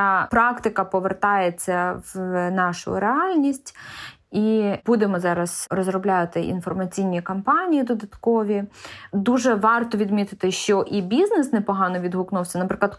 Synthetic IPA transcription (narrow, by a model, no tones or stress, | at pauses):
ɑpɾɑkt̪ɪkɐpɔʋert̪ɑjet͡sʲːɐʋnɑʃʊ̰ɾeɑlʲnʲisʲtʲ | ibud̪emɔzɑɾɐsrɔzɾɔblʲat̪ɪʔḭnfɔrmɐt͡sʲijnʲːikɐmpɑnʲijid̪ɔd̪ɐt̪kɔʋʲid̪uʒɛʋɑrt̪ɔʋʲid̪mʲit̪ɪt̪ɪʃt͡ʃɔʔibʲiznɛsnɛpɔɦɑnɔʋʲid̪ɦʊknuwsʲɐnɐpɾɪk̪ˠɐd̪